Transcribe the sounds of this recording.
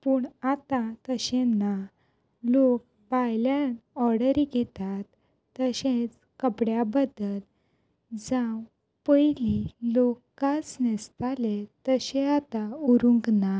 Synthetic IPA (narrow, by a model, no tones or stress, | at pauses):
puːɳat̪at̪əɕẽnːa | lok̚ | bajljanɔɾɽəɾiɡʱɛt̪at̪ː | əɕẽt͡s | kəpɽjabəd̪əl | d͡zãw | pəjlilokːat͡snɛst̪alet̪əɕẽat̪auɾũŋkna